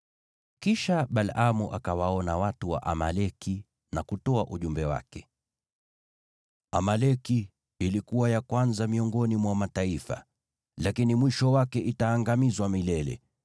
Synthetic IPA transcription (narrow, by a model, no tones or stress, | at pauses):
kiʃaɓalamuʔa̰kawaɔnawatuwa̰ʔamalɛki | nakutɔaʔuʄumbɛwa̰kɛ̥ | amalɛki | ilikuwajakwanzamiɔŋɡɔnimwamataifa̰ | lakinimwiʃɔwakɛʔitaːŋɡamizwamilɛlɛ̰